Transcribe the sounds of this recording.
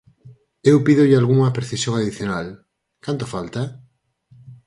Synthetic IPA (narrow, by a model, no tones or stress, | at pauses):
ewpiðoʎɪalɣuŋɐpɾeθisjoŋaðiθjonal | kant̪ofalt̪a